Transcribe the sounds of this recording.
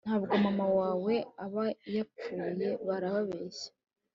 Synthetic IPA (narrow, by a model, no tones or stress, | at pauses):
n̥haːβɡomamawaːwe̞aβajap͡fuːje̞βaɾaβaβeʃḁ